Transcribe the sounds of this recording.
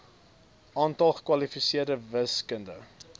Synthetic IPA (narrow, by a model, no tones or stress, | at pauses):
ʔɑːntɐlˠχə̥kwɐlifisiərdəvəskəndə̰